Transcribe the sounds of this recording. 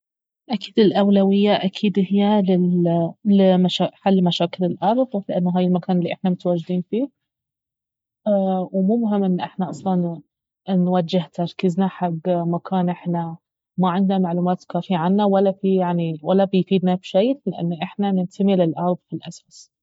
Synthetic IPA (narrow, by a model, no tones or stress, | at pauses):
ʔaki̥ːd̪ɪlʔawlawɪjːaʔakʰiːd̪hɪjːalɪ | lɪmaʃaːħalːmaʃaːkɪlɪlʔɑɾˤðˤlɪʔanːaɦaːjɪlmakʰaːnɪlːiʔɪħnamʊt̪awaːd͡ʒɪd̪iːnfiː | wmuːmʊɦɪmːʔɪnːʔɪħnaʔɑsˤlɑn | nwad͡ʒɪht̪aɾˤkɪznaħaɡmakʰaːnʔɪħna | maʕɪnd̪namaʕluːmaːt̪kaːfiaʕanːawalːafijaʕniwalːabɪjfiːd̪nabʃejlɪʔa̰nːʔɪħnanɪnt̪ʰamilɪlʔɑɾˤðˤfilʔasas